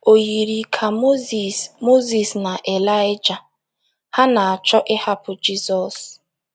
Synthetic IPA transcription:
o˨ji˨ɾi˨kʰa˨˦˨mo˦zi˨sna˨ʔe˨la˦jɪ˦d͡ʒa˨ | ha˦na˨a˨t͡ʃɔ˦ʔɪ˦ha˦pʊ˨d͡ʒi˦sɔ˨s

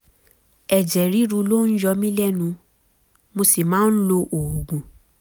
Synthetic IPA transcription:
ɛ˨d͡ʒɛ˨ɾi˨˦ɾũ˧lo˦˨˦n̩˦jɔ˧mĩ˦lɛ˦nũ˧ | mo˧si˨mãː˨˦n̩˦lo˧ʔo˨o˨ɡũ˨

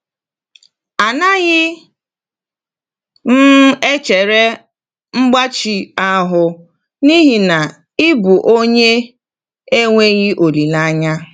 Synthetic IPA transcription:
a˨na˦ɣɪ˦ | n̩˦e˦t͡ʃe˨ɾe˦ | ŋ͡m̩˦ɡ͡ba˦t͡ʃi˨a˦ɦʊ˦ | ni˦ɦi˨na˨ | ɪ˦bu˨ʔo˦ɲe˦ | e˦ŋʷe˦ɣɪ˦ʔo˨li˨la˦ɲa˦

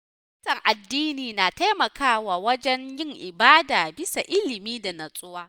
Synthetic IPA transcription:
ɐ˦tɐ˨ŋʔa˨dːiː˦niː˨naː˨ta˦jmɐ˨kaː˦waː˨wɐ˦d͡ʒɛ˦njɪ˦ŋʔɪ˨baː˦daː˨bɪ˦sa˨ʔɪ˦lɪ˨miː˦da˨nɐ˨sʼʊ˦waː˦

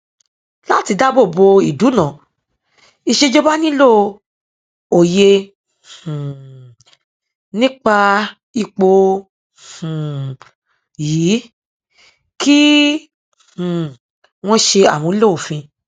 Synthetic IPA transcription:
la˦˨ti˨˧da˦bo˦˨bo˧i˨du˨˦nã˨ | i˧ʃe˧d͡ʒo˦ba˦nĩ˦lo˦ | o˨jẽ˧˨ | nĩ˦k͡pa˧ | i˧k͡po˧ | h̩˨ | jiː˨˦ | ki˦ | hũ˨ | w̃ɔ̃˦ʃe˧a˨w̃ɔ̃˨˦lo˦˨o˨fĩ˧

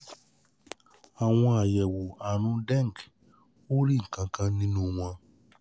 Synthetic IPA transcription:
a˨w̃ɔ̃˧a˨jɛ˨wo˨a˨ɾ̃ũ˧dɛ̃˦˨ŋ˨k | o˦ɾi˦˨ŋ̩˨kã˧kã˧nĩ˦nũ˦w̃ã˧

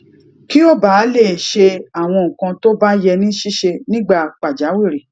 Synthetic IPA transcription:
ki˦ɔ˦ba˨˦le˦˨ʃe˧a˨w̃ɔ̃˧ŋ̩̃˨kã˧to˦ba˦jɛ˧nĩ˦ʃi˦ʃe˧nĩ˦ɡ͡ba˦˨k͡pa˨d͡ʒa˨˦wi˦˨ɾe˨

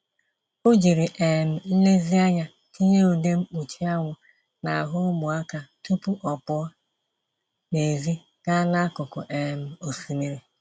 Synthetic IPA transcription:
ʊ˦d͡ʒi˨ɾi˨ʔe˨m̩˨˦le˦zi˦a˦ɲa˨ | ki˦ɲe˦o˨de˦m̩˦k͡pu˨t͡ʃi˦a˦ŋʷʊ˨ | na˨ɦʊ˦mʊ˨a˦ka˨tu˦pʊ˦ʔɔ˨pʊ˨˦ɔ˦ | ne˨zi˦ | ka˦la˦a˦kʊ˨kʊ̰˨ʔe˨m̩˨o˨si˨mi˦ɾi˨

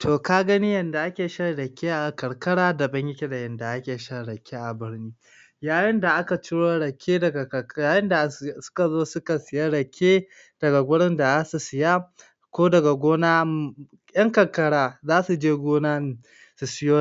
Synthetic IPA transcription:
tʰoː˨ka˦ɡɐ˦ni˦jɐ˨nda˨ʔa˦kʲeː˨ʃɐ˦rɽɐ˨kʲʰeː˦ʔa˨kɐ˨ɽkɐ˦ɽaː˦da˨bɐ˦ɲjɪ˦kʲe˦da˨jɐ˨nda˨ʔa˦kʲeː˨ʃɐ˦ɽɐ˨kʲːe˦ʔa˨bɪ˦ɽniː˦ | jaː˦˨jɪ˦nda˨ʔa˦ka˨t͡ʃɪ˦ɽoː˦ɽɐ˨kʰʲeː˦dɐ˨ɡa˨jaː˨˦jɪ˦nda˨sʊ̥˦ka˨zoː˦sʊ˦ka˨sɪ˨ja˦ɽɐ˨kʲʰːeː˦ | d̥ɐ˨ɡa˨ɡʷʊ˦ɽɪ˦nda˨zaː˦su˨sɪ˨ja˦ | kʷoː˦dɐ˨ɡa˨ɡʷoː˦naː˦ | jɐ˦ŋkɐ˨ɽkɐ˦ɽaː˦zaː˦su˨d͡ʒeː˦ɡʷoː˦naː˦n˨ | su˨sɪ˦joː˦

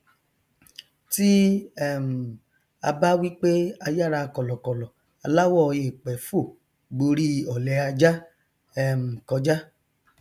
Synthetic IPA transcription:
ti˦ɛ˦˨m̩˨ | a˧ba˦wi˦k͡pe˦a˧ja˦ɾa˧kɔ˨lɔ˨kɔ˨lɔ˨ | a˨la˦wɔ˦˧je˨k͡pɛ˨˦fo˦˨ | ɡ͡bo˧ɾi˦ɔ˨lɛ˨˧a˧d͡ʒa˦ | ɛ˦˨m̩˨kɔ˧d͡ʒa˦

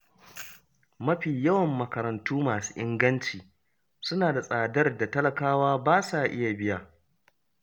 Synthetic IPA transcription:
mɐ˦ɸiː˨jɐ˦wɐ˨mːɐ˨kɐ˨ɾɐ˨ntuː˦maː˨su̥ː˦ʔɪ˦ŋɡɐ˦nt͡ʃiː˨ | sʊ˦naː˨da˨sʼaː˨dɐ˦rda˨tɐ˦lɐ˨kaː˦waː˦baː˦saː˨ʔɪ˦ja˨bɪ˦jaː˨

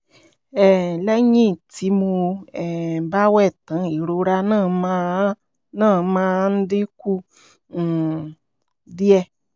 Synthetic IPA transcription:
ɛ˨lɛ˦ɲĩ˦˨tʰi˨˧˦mu˧ɛ˨ba˦wɛ˦˨tã˨˦˨i˨ɾo˨˦ɾa˧nã˦˨mã˧˦ | nã˦˨˦mã˧n̩˦di˦kũ˦˨ | di˦ɛ˧

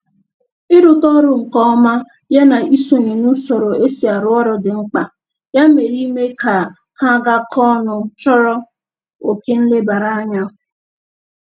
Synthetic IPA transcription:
ɪ˦ɾʊ˦tɔ˦ɾʊ˨ŋ̩˨kɔ˦ma˦ | ja˦na˨i˦so˨ni˨nu˦sɔ˨ɾo˨ʔe˦si˨a˨ɾʊ˦ɔ˦ɾɔ˨dɪ˨ŋ͡m̩˦k͡pa˨ | ja˦me˨ɾi˦me˦ka˨ | ha˦ɡa˦kʰɔ˦nʊ˨t͡ʃɔ˦ɾɔ˦ | o˨ke˦n̩˦le˦ba˨ɾa˦a˦ɲa˦

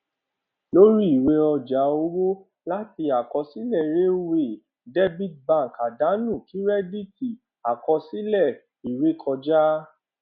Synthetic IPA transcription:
lo˦ɾi˦i˦˨we˧˦ɔ˧d͡ʒa˨˦o˧wo˦ | la˦ti˧a˨kɔ˧si˦lɛ˦˨ɾe˦we˦˨ | dɛ˦bi˦˨dbã˦˨ka˨da˨˦nũ˦˨ki˨˦ɾɛ˦di˦˨ti˨ | a˨kɔ˧si˦lɛ˦˨ | i˨ɾe˨˦kʰɔ˧d͡ʒa˦

